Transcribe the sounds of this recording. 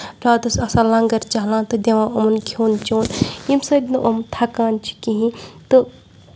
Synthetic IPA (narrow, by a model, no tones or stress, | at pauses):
pɾaːt̪usɐsalɐ̃ŋɡɐɾt͡ʃaɦlãːt̪ɨd̪ʲeʋãːomnkʰoːnt͡ʃoːnimsɐd̪nɨʔomt̪ʰakaːnt͡ʃʰi̥kiɦĩt̪ɨ